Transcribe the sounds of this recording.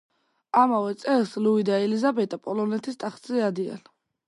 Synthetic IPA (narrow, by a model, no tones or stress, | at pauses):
amavɛt̪sʼɛlsluid̪aɛlizabɛt̪ʼapʼɔlɔnɛt̪ʰist̪ʼaχt̪zʼɛad̪ia̰n